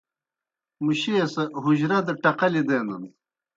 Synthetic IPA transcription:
muɕeːsɐɦuʑɾɐd̪ɐʈɐqɐlid̪eːnɐn

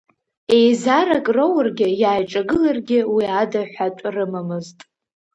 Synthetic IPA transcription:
e̞jzaɾakʼrowrɡʲɪjaːjʈ͡ʂʼaɡɨlarɡʲɪwiadaħʷatʷʼrɨmamɨztʼ

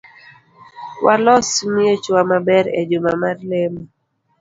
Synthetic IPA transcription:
walɔsmiet͡ʃwamabɛɾḛd͡ʒomamarlemɔ

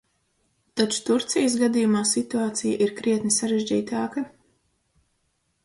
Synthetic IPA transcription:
t̪at͡ʃu̥t̪uɾt̪sijəs̬ɡad̪ijumaːsit̪uaːt̪sijaʔiɾkɾiɛt̪nisaɾeʒʲd͡ʑiːt̪aːkɐ

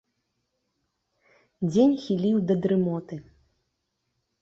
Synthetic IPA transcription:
d͡zʲenʲxʲilʲiwd̪ɐd̪ɾɨmɔt̪ɨ

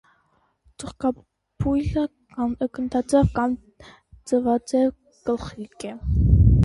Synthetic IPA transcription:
t͡səχkɑ | pʰujlə | kɑnəkənt̪ʰɑt͡sɛvkɑm | t͡səvɑt͡sɛɾ | kəlχikɛ

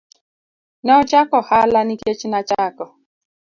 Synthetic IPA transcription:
nɔt͡ʃakɔhalaniket͡ʃinat͡ʃakɔ

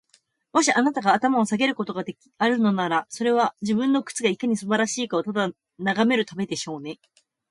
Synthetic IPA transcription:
moɕiʔanat̪aɡaːt̪amao̞saɡe̞ɾɯ̟ko̞t̪o̞ɡad̪e̞kʲi̥aɾɯ̟no̞naɾaso̞ɾe̞β̞aʑibɯ̟̃nːo̞kɯ̥t͡sɨɡaikaɲ̟isɨbaɾaɕiːkaot̪ad̪a | naɡame̞ɾɯ̟t̪abe̞d̪e̞ɕo̞ːne̞

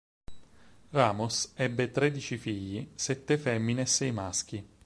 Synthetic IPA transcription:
raːmosɛbːet̪ɾed̪it͡ʃifiʎːisɛt̪ːefɛmːinesːɛjmask̟i

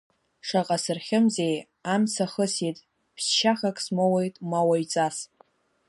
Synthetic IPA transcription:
ʂaqʼasɨrχʲɪmzej | amsʰaχəsitʼ | pʰsʃaχakʼsmowejtʼmawajt͡sʼas

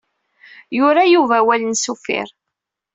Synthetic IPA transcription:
jʊɾajuvæwælənsufɪ̰ɾ

